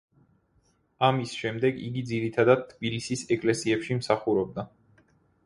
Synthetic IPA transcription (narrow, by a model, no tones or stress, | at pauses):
amisʃɛmd̪ɛɡḭɡid̪ziɾit̪ʰad̪ad̪̚t̪ʰːbilisisɛkʼlɛsiɛpʃimsaχuɾɔb̚d̪a